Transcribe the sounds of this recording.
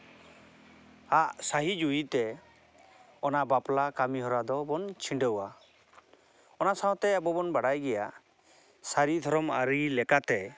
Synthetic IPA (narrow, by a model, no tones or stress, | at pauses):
aʔsaɦid͡ʒuit̪ɛ | ɔnaʔbaplakamiɦɔɾad̪ɔbɔnt͡ʃʰiɳɖəwa | ɔnasaɔ̃t̪ɛɛbɔbɔnbaɽajɡɛja | saɾid̪ʱɔɾɔmaɾilɛkat̪ɛ